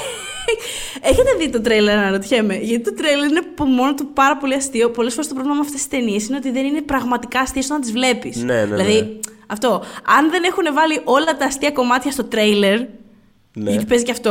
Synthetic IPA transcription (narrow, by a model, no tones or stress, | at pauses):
eçet̪e̞ðit̪o̞t̪ɾeile̞ɾɐnɐɾot̪çemeʝɐt̪it̪o̞t̪ɾeile̞ɾine̞omo̞not̪upɐɾɐpo̞liɐst̪io̞po̞lefo̞ɾestopɾovlimɐmeɐft̪esi̥st̪e̞niesine̞o̞t̪iðe̞nine̞pɾɐɣmɐt̪ikɐːst̪iost̪onɐt̪izvle̞pisnilɐðiɐft̪o̞ɐnðe̞ne̞xune̞vɐliʔo̞lɐt̪ɐːst̪iɐko̞mɐt̪çɐst̪o̞t̪ɾe̞ile̞ɾ | nʝɐt̪ipeziceɐft̪o̞